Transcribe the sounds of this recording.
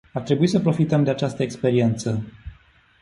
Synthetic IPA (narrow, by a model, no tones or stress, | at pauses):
art̪ɾe̞buisəpɾo̞fit̪əmd̪e̞at͡ʃast̪əekspe̞ɾie̞nt̪sə